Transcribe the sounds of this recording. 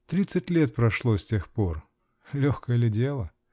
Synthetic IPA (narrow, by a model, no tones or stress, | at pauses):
t̪ɾʲit̪sɨtʲlʲet̪̚pɾɐʂlˠosʲtʲe̞xpo̞r | lʲoxkəjəlʲɪdʲelˠə